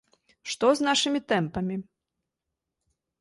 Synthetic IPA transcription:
ʂt̪ɔznaʂɨmʲit̪ɛmpɐmʲi

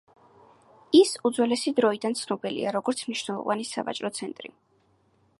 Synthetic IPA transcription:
isud̪zwɛlɛsid̪ɾɔid̪ant̪sʰnɔbilḭaɾɔɡɔɾt̪sʰmniʃnɛlˠɔ̰vanisa̰va̰t͡ʃʼɾɔt̪sʰɛnt̪ʼɾḭ

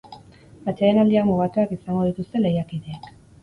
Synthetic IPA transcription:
at͡ʃeenald̪iakmuɣat̪uakisaŋɡo̞ðit̪ust̪e̞le̞jakiðe̞ːk

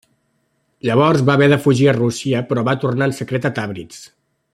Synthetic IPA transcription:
ʎəβ̞ɔrzβaəβɛðəfuʒiərusiəpɾɔβat̪urnaənsəkɾɛt̪ət̪aβɾḭt͡s

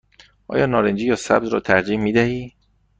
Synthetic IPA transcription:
ʔɒ̰ːjɒːnɒːɾend͡ʒiːjɒːsæ̰b̚zɾɒ̰ːt̪ʰæɾd͡ʒiːhmiːd̪æhiː

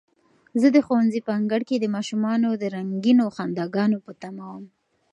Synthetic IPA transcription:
zəd̪əxowanzipaŋɡaɽked̪əmɑʃumɑnod̪əɾaŋɡinoxand̪ɑɡɑnopət̪amawəm

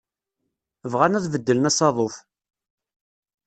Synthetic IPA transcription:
vʁanæðvəd̪ːələnæsɑðˤoθ

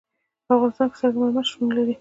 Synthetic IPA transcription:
afʁɣɑnɪst̪ɑnksaɡmamaʃunlaɾi

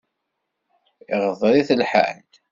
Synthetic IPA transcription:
ɪʁəðˤɾiθəlħa̰nd̪

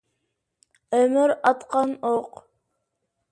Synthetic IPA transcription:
øməɾɑt̪qɑnoq

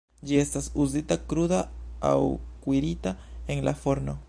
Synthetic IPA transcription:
d͡ʒest̪asuzit̪akɾuðaa̰wkwiɾit̪aeŋlʔafoɾno

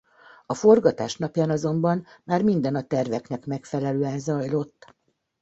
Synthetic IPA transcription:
ɒfo̞rɡɒt̪a̰ːʃnɒpjaːnɒzo̞mbɒnmaːrmind̪ɛnɒt̪ɛrvɛknɛkmɛkfɛlɛløːɛnzɒjlo̞t̪ː

